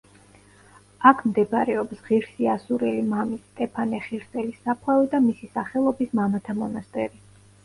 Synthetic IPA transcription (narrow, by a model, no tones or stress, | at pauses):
akʰmd̪ɛpɾɛɔpsʁiɾsiasuɾɛlimamist̪ʼɛpʰanɛχiɾsɛlisapʰwɛlid̪amisisaχɛlˠɔbismamat̪ʰamɔnast̪ʼɛɾi